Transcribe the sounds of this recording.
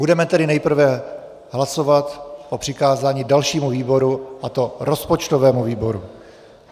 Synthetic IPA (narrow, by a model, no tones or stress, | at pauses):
budɛmɛt̪ɛdɪnɛjpr̩vɛ | ɦlaso̞vat̪ʔopr̝̥ɪkaːzaːɲiːdalʃiːmuviːbo̞ɾuʔat̪o̞ɾo̞spot͡ʃt̪o̞vɛːmuviːbo̞ɾṵ